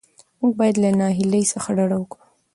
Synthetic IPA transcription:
muɡ̚bɑjad̪lanɑɦiləjsaxaɖaɽawəkɽu̥

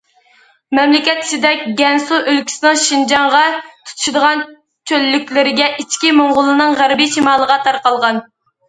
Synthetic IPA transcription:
mɛmlɪkʲɛt̪ːi̥t͡ʃɪd̪ɛk̚ʲɡʲɛnsuʔølkʲʰi̥sɪnɨŋʃind͡ʒɑɴʁɑt̪ʰu̥t̪ʰu̥ʃud̪əʁɑn | t͡ʃʰølːykʲlɪɾɪɡʲɛʔit͡ʃkʲimoɴʁʊlˠɨnɨŋʁæɾbiʃimɑːlˠəʁɑt̪ʰɑɾqɑlˠʁɑn

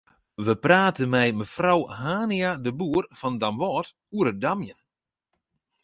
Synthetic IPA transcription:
ʋəpraːtʰənmɛjməfrawhaːniadəbuːərfɔndamʋɔːt | uəɾədamjən

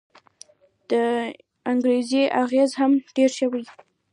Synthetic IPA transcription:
d̪̥ə | aŋɡɾezeʔaɣezhamɖeɾʃəwi

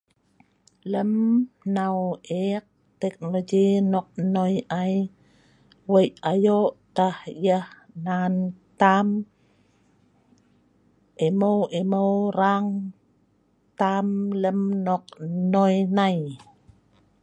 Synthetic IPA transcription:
ləmnaweq̚ | t̪ek̚nolod͡ʒinok̚nojʔaj | wəjajoʔt̪ahjah | nant̪am | ʔemowʔemowɾaŋ | t̪amləmnoq̚nojnaj

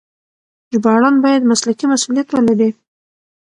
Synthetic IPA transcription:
d͡ʒbɑɽɑnbɑjad̪maslakimasulijat̪wəlaɾi

